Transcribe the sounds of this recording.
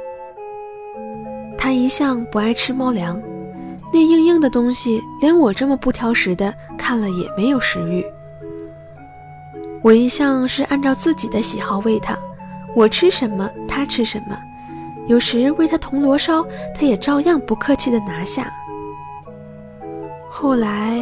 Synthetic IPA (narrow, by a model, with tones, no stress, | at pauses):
t̪ʰa˥i˧˥ɕjɑ˥˩ŋpu˧˥a˥˩ɪʈ͡ʂʰɻ̩˥mɑ˥ʊljɑ˧˥ŋ | ne˥˧ɪi˥˧ŋji˥˩ŋd̪ə˩t̪ʊ˥ŋɕi˨ljɛ˧˥nwɔ˨˩ʈ͡ʂə˥˩mə˩pu˥˩t̪ʰjɑ˧˥ʊʂɻ̩˧˥d̪ə˧ | kʰa˥˩nlə˩jɛ̰˨˩me˧˥ɪjo˨˩ʊʂɻ̩˧˥y˥˩ | wɔ˨˩i˧˥ɕjɑ˥˧ŋʂɻ̩˥˧ʔa˥˧nʈ͡ʂɑ˥˧ʊt͡sɹ̩˥˩t͡ɕi˨˩d̪ə˦ɕi˨˩xɑ˥˧ʊwe˥˩ɪt̪ʰa̰˥ | wɔ˨˩ʈ͡ʂʰɻ̩˥ʂə˧˥nmə˧t̪ʰa˥ʈ͡ʂʰɻ̩˥ʂə˧˥nmə̰˧ | jo˨˩ʊʂɻ̩˧˥we˥˩ɪt̪ʰa˥t̪ʰʊ˧˥ŋlwɔ˧˥ʂɑ˥ʊt̪ʰa˥jɛ˨˩ʈ͡ʂɑ˥˧ʊjɑ˥˩ŋpu˧˥kʰɤ˥˧t͡ɕʰi˥˩d̪ə˩na˧˥ɕja̰˥˩ | xo˥˩ʊla˧˥ɪ